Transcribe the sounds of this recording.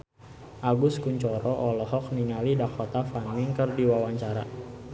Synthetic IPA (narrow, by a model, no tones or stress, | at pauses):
ʔaɡʊskuɲt͡ʃɔɾɔʔɔlɔɦɔk̚niŋalidakʰɔt̪afanɪŋkərdiwawaɲt͡ʃaɾa